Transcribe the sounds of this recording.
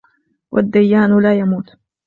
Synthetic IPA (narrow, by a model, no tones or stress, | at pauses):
wʔa̰d̪ːajːaːnlaːjamuːt̪